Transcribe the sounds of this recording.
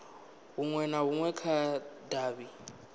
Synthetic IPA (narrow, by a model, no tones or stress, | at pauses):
ɦuŋwɛnaɦuŋwɛkʰadaːβi